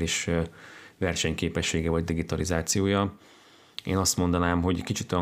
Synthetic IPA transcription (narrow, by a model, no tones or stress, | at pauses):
liʃ | vɛrʃɛɲkeːpɛʃːeːɡɛvɒɟd̪iɡit̪ɒlizaːt̪sijoːjɒ | ḛːnɒst̪mo̞nd̪ɒnaːmɦo̞ɟkit͡ʃit̪ːojɒ